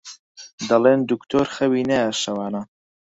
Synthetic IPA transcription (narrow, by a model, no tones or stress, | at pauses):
d̪ɐleːnd̪ukt̪ʰoːɾxɐwiːnɐjaʃɐwaːna